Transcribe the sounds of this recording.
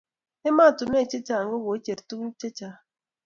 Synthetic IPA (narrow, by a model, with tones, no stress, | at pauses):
e˦ma˦˨tu˨n˦e˨t͡ʃe˦t͡ʃa˨ŋ˨˦o˦ɣo˨˦t͡ʃe˨ɾtu˦t͡ʃe˦t͡ʃa˨